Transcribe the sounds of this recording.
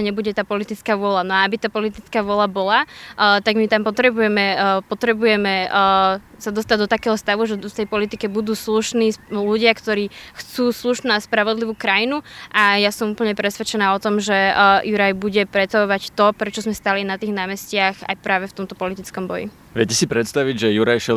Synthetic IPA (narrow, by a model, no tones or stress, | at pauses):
ɲɛbuɟɛt̪aːpɔlit̪it͡skaːʋʊɔlanɔaabit̪aːpɔlit̪it͡skaːʋʊɔlabɔlat̪aɡmit̪ampɔt̪ɾɛbujɛmɛpɔt̪ɾɛbujɛmɛ | sad̪ɔst̪aɟd̪ɔt̪akɛːɦɔst̪aʋuʒɛft̪ɛjpɔlit̪ikɛbud̪uːsluʃniːluɟɪakt̪ɔɾiːxt͡suːsluʃnuaspɾaʋɔd̪liʋuːkɾajinuʔajasɔmupl̩ɲɛpɾɛsʋɛt͡ʃɛnaːɔt̪ɔmʒɛjuɾajbuɟɛpɾɛtt͡saʋɔʋact̪ɔpɾɛt͡ʃɔzmɛst̪alinat̪iːɣnaːmɛscɪaxa̰jpɾaːʋɛft̪ɔmt̪ɔpɔlit̪it͡skɔmbɔjḭ | ʋjɛcɛsipɾɛt̪st̪aʋiɟʒɛjuɾajʃɛ